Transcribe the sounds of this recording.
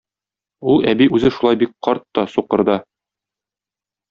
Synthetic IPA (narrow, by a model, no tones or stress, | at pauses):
ulˠæbiʔʉzɘʃulˠɑjbik̚qɒɾt̪ːɒsuqɤ̆ɾd̪ɤ